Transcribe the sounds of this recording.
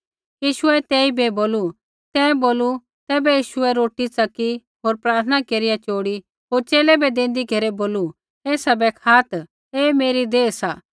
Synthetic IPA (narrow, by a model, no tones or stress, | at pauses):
jiːʃʊɛt̪ɛːibɛboːlu | t̪ɛːboːlu | t̪ɛːbɛjiːʃʊɛɾoːʈit͡sɐki | ɦoːɾpɾaːɾt̪ʰənakeːɾijat͡ʃoːɽi | ɦoːɾt͡ʃeːlɛbɛd̪ẽːn̆d̪iɡɐɾeboːlu | eːsɐbɛkʰaːt̪ | eːmeːɾid̪eːsaː